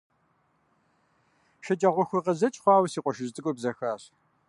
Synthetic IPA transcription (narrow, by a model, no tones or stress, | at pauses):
ʃɐd͡ʒʼɐʁʷɔxʷʊʁɐzɐt͡ʃʼχʷɑːwsiːqʷʼɔʃɪztʰʼɨkʷʼʊbzɐxaːɕ